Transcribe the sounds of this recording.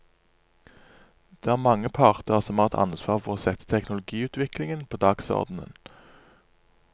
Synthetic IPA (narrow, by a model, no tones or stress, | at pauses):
d̪̥eːæːʁmɑŋːəpʰɑʁt̪əʁəsɔmhɑːʁɛt̪ɑ̰nsʋɑːʁfɔʁoːsɛt̪ːə̥t̪ʰɛknʊlʊɡiːʉːt̪ʰʋɪklɪŋənpʰoːd̪ɑːɡsɔ̰ʁd̪n̩ə̰n